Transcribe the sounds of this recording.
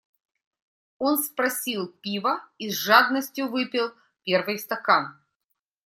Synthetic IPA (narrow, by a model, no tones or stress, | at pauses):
o̞nspɾɐsʲilˠpʲivəizʐad̪nəsʲtʲjʊvɨpʲɪlˠ | pʲe̞rvɨjst̪ɐkan